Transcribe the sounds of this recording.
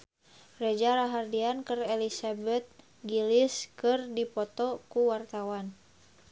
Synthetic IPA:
rɛd͡ʒaɾaɦardiankɨrɛlisabɛt̪̚ | ɡiliskɨrdipɔt̪ɔkuwart̪awan

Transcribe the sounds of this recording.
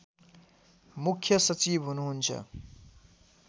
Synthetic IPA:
mukʰːjʌsʌt͡sibɦunuɦunt͡sʰʌ̰

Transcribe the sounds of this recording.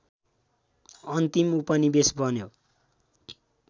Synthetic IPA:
ʌnt̪imupʌnibesbʱʌnjo

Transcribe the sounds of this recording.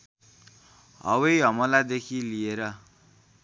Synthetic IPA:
ɦʌ̰wʌjɦʌmʌlad̪ekʰilieɾʌ

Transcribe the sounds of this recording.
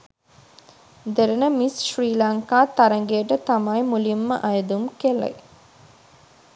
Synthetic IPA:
d̪eɾɐnəmisʃriːlaŋkaːt̪ɐɾɐŋɡejəʈət̪amɐjmulimːə̰ʔɐjəd̪umkelɐ̰j

